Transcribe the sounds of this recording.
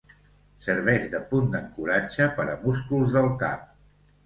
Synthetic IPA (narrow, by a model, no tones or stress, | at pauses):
səɾβɛʒðəpund̪əŋkuɾad͡ʒəpəɾəmuskulˠzðəlˠka̰